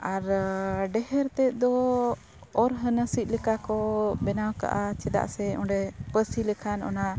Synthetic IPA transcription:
aɾɖɛhɛɾt̪ɛt̪̚ˀd̪ɔ | ɔɾɦənəsit̪̚ˀlɛkakɔbɛnawka̰ʔat͡ʃɛd̪a̰ʔsɛɔ̃ɳɖɛpəsilɛkʰanɔ̰na

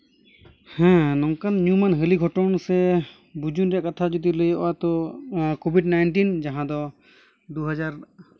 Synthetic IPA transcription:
hɛ̃nɔŋkanːumanɦəliɡʱɔʈɔnɔsɛ | bud͡ʒunɾɛʔkat̪ʰad͡ʒud̪iləjɔʔwat̪ɔkobʱiɖnajnʈind͡ʒaɦãd̪ɔ | d̪uɦad͡ʒaɾ

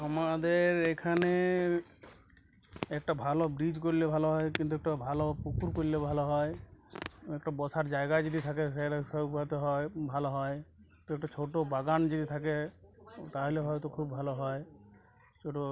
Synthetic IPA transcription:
ɔmad̪eɾekʰane | ɛk̚ʈabʱalɔbɾid͡ʒkɔɾilebʱalɔɦɔekint̪uɛk̚ʈabʱalɔpukuɾkɔɾilebʱalɔɦɔe | ekʈabɔsaɾd͡ʒaeɡad͡ʒɔd̪it̪ʰakeseɾasɔupat̪eɦɔebʱalɔɦɔj | t̪ɔɛk̚ʈat͡ʃʰoʈobaɡand͡ʒɔd̪it̪ʰake | t̪aɦileɦɔjt̪ɔkʰubːʱalɔɦɔe | t͡ʃʰoʈo

